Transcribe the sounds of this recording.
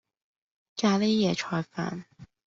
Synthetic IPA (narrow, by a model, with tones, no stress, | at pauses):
kaː˧le˥jɛ˨˩ʈ͡ʂʰɔː˧jfa̰˨˧˩n